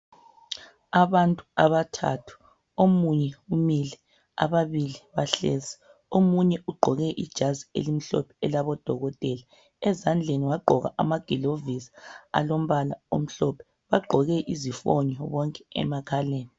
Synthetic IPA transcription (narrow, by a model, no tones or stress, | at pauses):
aβantʼuaβatʰa̰tʰu̥ | omuɲɛumilɛ | a̰βaβiliβaɬezi̥ | omuɲɛʔuɡ͡ǃʱɔɣɛʔid̥ʒ̥ʱaziḛlim̩ɬɔ̰pʰɛɛlaβɔd̥ʱɔɣɔtʼɛla | ɛzand͡ɮʱeniwaɡ͡ǃʱɔɣa̰ʔamaɡ̥ʱilovizḁa̰lom̩βalao̰m̩ɬɔpʰɛ̥ | βaɡ͡ǃʱɔɣɛʔizifɔ̰ɲɔβɔŋkʼɛɛ̰makʰaleːni